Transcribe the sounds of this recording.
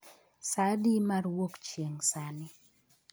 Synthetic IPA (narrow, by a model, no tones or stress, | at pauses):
sadimarwokt͡ʃjeŋsanɪ